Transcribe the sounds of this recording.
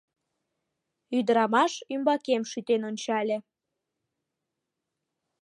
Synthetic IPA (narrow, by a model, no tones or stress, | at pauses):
yd̪əɾɑmɑʃymbɑkemʃyt̪enonʲt͡ɕɑlʲe